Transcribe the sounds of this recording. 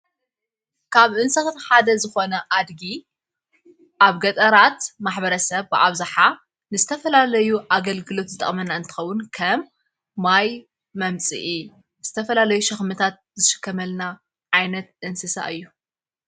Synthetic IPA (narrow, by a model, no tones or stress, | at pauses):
kʰaβʔɨnsɐsɨnħad̪ɐzɨxo̞nɐʔad̪ɡi | ʔaβɡɐt̪ʼɐɾat̪maħbɐɾɐsɐβbɨʔa̰βzaħa | nɨzɨt̪ʰɐfɐlalɐjuʔaɡɐlɡɨlo̞t̪zɨt̪ʼɐ̰χʼmɐnːaɨnt̪ʰɨxɐwːʊnkʰɐmː | aj | mɐmt͡sʼɨ̰ʔi | z̥ɨt̪ʰɐfɐlalɐjuʃɐxmɨt̪ʰat̪̚zɨʃɪ̥kːɐmɐlna | ʕajnɐt̪ʔɨnsɨsa̰ʔɨjːu